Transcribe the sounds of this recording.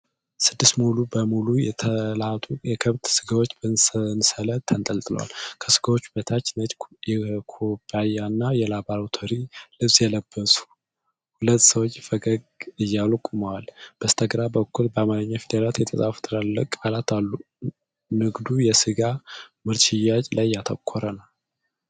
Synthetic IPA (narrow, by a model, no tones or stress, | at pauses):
sɨd̪ːist̪mulubəmulujɛt̪ʰəlat̪ʰʼujɛkʰəβt̪sɨɡawo̞t͡ʃːbənnsələt̪ʰːənt̪ʼəlt̪ʼɨlə̰wa̰lkʰəsɨɡawo̞t͡ʃːbət̪ʰat͡ʃːnət͡ʃjɛkʰobajanːajɛlabaɾt̪ʰoɾilɨβsjɛləb̥ːəsu̥ | hulət̪ːsəwot͡ʃːfəɡəɡɨjːalkʼuməwalb̥əst̪ʰəɡɾabəkːulbəamaɾəɲːafid̪ɾaɾat̪jɛt̪ʰʼəsʼafu̥t̪ʰɨɾalːəkʼalat̪ʰalːu | nɨɡd̪ujɛsɨɡamɨɾt͡ʃʼɪjat͡ʃʼlajːat̪ʰə̰kʰːoɾənəw